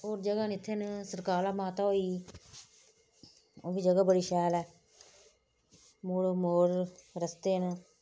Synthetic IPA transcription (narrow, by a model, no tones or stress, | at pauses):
oːɾd͡ʒəɡaːnɪt̪ʰːeːnsəɾkaːɾlaːmaːt̪aːoːiː | oːbiːd͡ʒəɡaːbəɽiːʃɛːlɛː | moːɽoːmoːɾɾəst̪eːn